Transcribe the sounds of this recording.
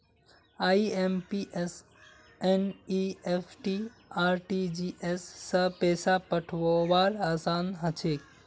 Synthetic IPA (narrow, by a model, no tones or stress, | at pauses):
aːiempiʔes | eniefʰʈi | aːɾʈid͡ʒiːʔesːɐpɛːsapəʈʰʋoʋaːɾaːsaːnɦət͡ʃʰeːk